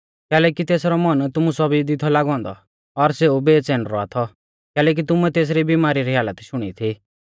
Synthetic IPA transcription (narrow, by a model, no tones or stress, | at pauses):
kɛːlɛːkit̪eːsɾɔmɔnt̪ʊmusɔbʱid̪ɪt̪ʰɔlaːɡɔ̃ːnd̪ɔ̰ | ɔɾseːubeːt͡sɛːnɾɔa̰t̪ʰɔ | kɛːlɛːk̬it̪̬ʊmuɛt̪eːs̬ɾibimaːɾiɾiɦaːlət̪ʃʊɽ̃ḭt̪ʰi